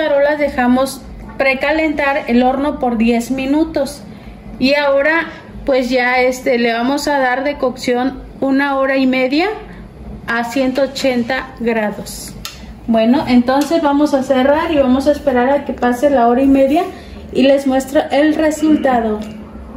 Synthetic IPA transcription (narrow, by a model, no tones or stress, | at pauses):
aɾo̞laðe̞xamo̞s | pɾe̞kale̞nt̪aɾe̞lo̞ɾno̞po̞ɾðje̞zmĩnut̪o̞s | iao̞ɾa | pwe̞zʝaest̪e̞leβamo̞saðaɾðe̞koksjo̞n | unao̞ɾaime̞ðjaː | sje̞nt̪o̞ːt͡ʃe̞nt̪aɣɾaðo̞s | bwe̞no̞ʔent̪o̞nse̞zβamo̞sase̞raɾiβamosaespe̞ɾaɾake̞paselao̞ɾaime̞ðja | ile̞zmwe̞st̪ɾoʔe̞lre̞sult̪aðo̞